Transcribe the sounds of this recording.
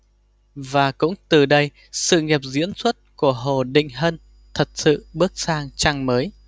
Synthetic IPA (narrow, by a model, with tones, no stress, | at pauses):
vaː˨˩kʊ̰˧˥ŋ͡mt̪ɨ˨˩ɗə˧j | sɨ̰˧˨ŋɛ˨˩p̚zḭ˧˥ənswə˦˥t̚ku˧˩əɦo˨˩ɗḭ̈˧˨ŋ̟ɦə˧n | t̪ʰə˨˩t̚sɨ̰˧˨ɓɨ˦˥ək̚saː˧ŋt͡ɕa˧ŋməː˨˦j